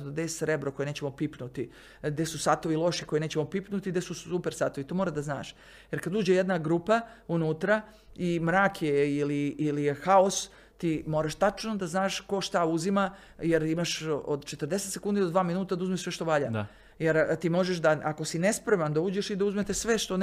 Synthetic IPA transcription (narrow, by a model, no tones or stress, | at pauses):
d̪d̪esɾebɾoko̞jeneːt͡ɕemopipnut̪i | ɡd̪esusaːt̪o̞ʋilˠo̞ʃiko̞jeneːt͡ɕemopipnut̪iɡd̪esusupeɾsaːt̪o̞ʋit̪omoɾad̪azna̰ːʃ | jeɾkad̪uːd͡ʑejed̪naɡɾupaunut̪ɾa | imɾaːkjeiliːlijexaos | t̪iːmo̞ːɾaʃt̪at͡ʃno̞d̪aznaːʃko̞ʃt̪auzima | jeɾimaʃod̪t͡ʃe̞t̪ərd̪e̞set̪se̞kund̪id̪od̪ʋaːminuːt̪ad̪auzmiʃsʋe̞ʃt̪o̞ʋaʎa | jeɾt̪iːmo̞ʒeʃd̪aʔako̞sine̞spɾemand̪auːd͡ʑeʃid̪auzmet̪esʋe̞ʃt̪on